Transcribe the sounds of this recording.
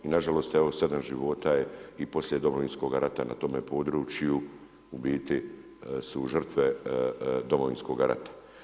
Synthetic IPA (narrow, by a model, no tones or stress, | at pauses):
inaʒalo̞st̪eʋo̞sed̪amʒḭʋo̞t̪ajeipo̞sljed̪o̞moʋinsko̞ɡaɾat̪ana̰t̪o̞mepo̞ːd̪ɾuːt͡ʃju | ubiːt̪i | suʒr̩t̪ʋe | d̪o̞mo̞ʋḭnsko̞ɡaɾʔa̰t̪ḁ